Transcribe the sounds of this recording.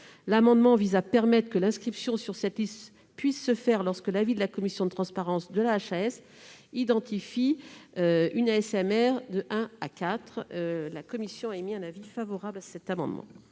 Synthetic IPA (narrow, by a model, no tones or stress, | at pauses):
lamɑ̃d̪mɑ̃vizapɛʁmɛt̪χəkəlɛ̃skχipsjɔ̃syʁsɛt̪list̪ | pɥisːəfɛʁlɔʁskəlavid̪əlakɔmisjɔ̃d̪ət̪χɑ̃spaʁɑ̃sd̪əlaːʃaɛs | id̪ɑ̃t̪ifiøynaɛsɛmɛʁd̪əʔɛ̃akat̪χølakɔmisjɔ̃aɛmiɛ̃navifavɔʁablasɛt̪amɑ̰̃d̪mɑ̰̃